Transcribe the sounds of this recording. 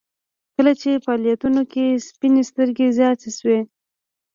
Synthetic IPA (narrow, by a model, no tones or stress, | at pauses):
kəlat͡ʃefɑljat̪unokespinest̪əɾɡezjɑt̪eʃwe